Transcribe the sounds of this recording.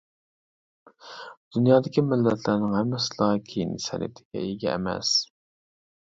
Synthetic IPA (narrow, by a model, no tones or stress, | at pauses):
d̪̥unjɑːd̪ɪkʲimɪlːɛt̪ʰlæɾnɪŋhɛmːɪsɨlˠɑkʲʰejinɪsɛ̰nɪ̰t̪ʰɪ̥ɡʲɛ̰eɡʲɛ̰ːmɛ̰s